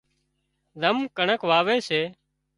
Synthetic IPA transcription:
d̪ʱəmkəɳəkʋaːʋeːseː

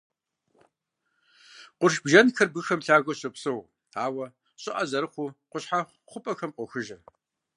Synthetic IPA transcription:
qʷʊrʃbʒɐnxɐrbɨxɐmɬaːɣʷɔɕʼɐpsɨw | aːwɐ | ɕʼɪʔɐzɐɾɨχʷuqʷʊɕħa | χʷʊpʼɐxɐmqʷɔxɨʒɐr

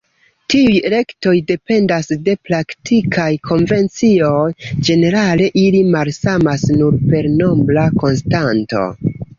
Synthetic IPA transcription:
tiujɾe̞kto̞jde̞pe̞ndasde̞pɾaktʰikʰajkʰo̞nve̞nt͡sio̞jd͡ʒe̞ne̞ɾale̞ʔilimalsamasnuɾpe̞ɾno̞blako̞nstanto̞̰

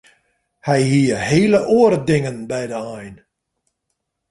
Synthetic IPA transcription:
hɛjhiəheːləʔoərdɪŋənbɛjdəajn

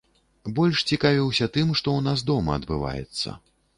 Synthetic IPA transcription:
bɔlʲʂt͡sʲikavʲiwsʲɐt̪ɨmʂt̪ɔwnas̬d̪ɔmɐ̰ɐd̪bɨva̰jɛ̰t̪sːɐ̰

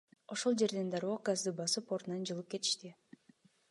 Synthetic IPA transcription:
o̞ʃo̞lˠd͡ʒe̞ɾd̪e̞nd̪ɑɾoɡazd̪ɯbɑsɯpoɾt̪nɑnd͡ʒɯlˠɯp̚ke̞t̪i̥ʃt̪i

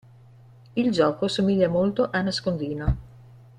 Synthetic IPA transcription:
ild͡ʒɔːkosomiʎːamolt̪oʔanaskond̪iːno

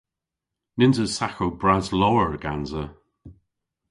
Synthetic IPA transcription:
nɪnzəsaxowbɹazlɔwəɹəɡ̥anzə

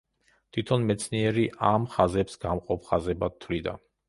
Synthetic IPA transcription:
t̪ʰit̪ʰɔnmɛt̪sʰniɛɾiʔamχazɛpsɡamqʼɔpʰχazɛbad̪t̪ʰːvlid̪a̰

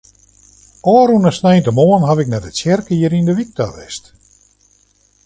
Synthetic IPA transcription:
ɔːɾunəsnɛjntəmoːənɦavɪk̚nɛtətsjɛrkiəɾindəʋik̚taʋɛ̰st

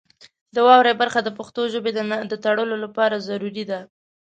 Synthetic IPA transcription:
d̪əwɑwɾejbaɾxad̪əpaxt̪oʒəbed̪d̪ət̪aɽəlolapɑɾazaɾuɾid̪a

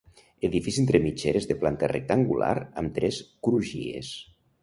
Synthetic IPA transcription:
eðifisent̪ɾemit͡ʃeɾezðeplant̪arḛk̚t̪aŋɡula̰ɾamt̪ɾɛskɾuʒḭḛs

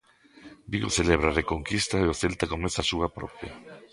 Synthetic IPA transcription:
biɣoθeleβɾarekoŋkist̪aeoθelt̪akomeθasuβapɾo̰pja̰

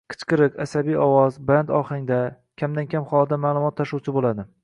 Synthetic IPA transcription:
qʰɨ̥t͡ʃqɨɾɨqasabijɒwɒzband̪ɒχɪŋd̪a | kʲʰamd̪ankʲʰamχɒlˠd̪amaːlˠʊmɒt̪ʰːaʃuwt͡ʃʰɪbolad̪ɪ

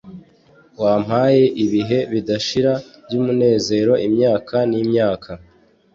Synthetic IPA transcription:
waːm̥haːje̞ʔiβiɦe̞βidaʃiɾavjumune̞ːze̞ːɾo̞ʔimɲaːkʰaniːmɲaːkʰa

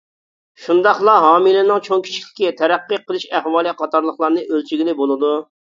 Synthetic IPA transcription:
ʃund̪ɑχlˠɑɦɑːmilɪnɪŋt͡ʃʰoŋkʲʰi̥ʃi̥lʲɪ̥kʲːɛt̪ʰɛɾæqːiqəlˠɨʃæhwɑːlˠiqʰɑt̪ɑɾlˠəχlˠɑɾnɨʔølt͡ʃʰiɡʲilɪbolˠɨd̪u

